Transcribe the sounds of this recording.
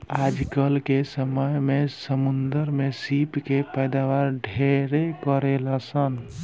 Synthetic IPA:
ad͡ʒkəlkesəməjmesəmund̪əɾmesipkepəjd̪aʋaɾɖʱeɾekəɾelasən

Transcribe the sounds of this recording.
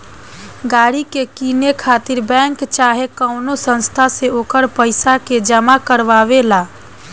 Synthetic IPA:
ɡaːɾikekinekʰaːt̪iɾbɛ̃ːŋkt͡ʃaːɦekəʊnosə̃nst̪ʰaseoːkəɾpəɪsaked͡ʒəmakəɾʋaʋelaː

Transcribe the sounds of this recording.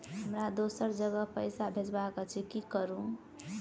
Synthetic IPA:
ɦəmɾad̪osəɾd͡ʒəɡəpəjsabʱed͡ʒbakət͡ʃʰikikəɾũ

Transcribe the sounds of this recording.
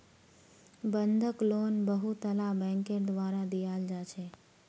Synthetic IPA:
bənd̪ʱəklonbəɦut̪əlabɛ̃ŋkeɾd̪ʋaɾad̪ijald͡ʒat͡ʃʰe

